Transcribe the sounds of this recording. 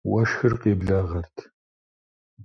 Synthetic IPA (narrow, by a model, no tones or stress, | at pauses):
wɐʃxɨrqeːbɮaːʁɐrtʰ